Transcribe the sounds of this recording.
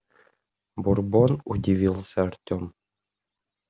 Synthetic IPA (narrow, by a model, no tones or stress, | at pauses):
burbonudʲiʋʲilˠsʲɐartʲom